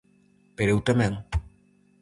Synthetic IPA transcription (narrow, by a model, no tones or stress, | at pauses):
peɾewt̪ameŋ